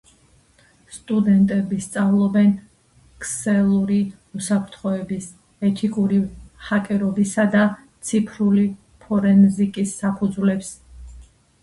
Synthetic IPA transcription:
st̪ʼud̪ɛnt̪ʼɛbist̪sʼavlˠɔbɛn | kʰsɛlˠuɾi | usapʰɾt̪ʰχɔɛbis | ɛt̪ʰikʼuɾiχakʼɛɾɔbisad̪a | t̪sʰipʰɾuli | pʰɔɾɛnzikʼisːapʰud̪zvlɛps

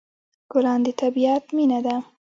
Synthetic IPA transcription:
ɡ̥ʊlɑnd̪ət̪abiat̪minad̪a

